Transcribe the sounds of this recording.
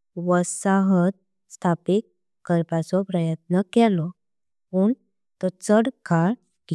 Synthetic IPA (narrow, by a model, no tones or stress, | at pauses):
ʋəsaɦət̪̚ | st̪ʰapik | kəɾpasɔpɾəjət̪̚nəkɛlɔ | puɳ | t̪ɔt͡səɽkaɽ | ki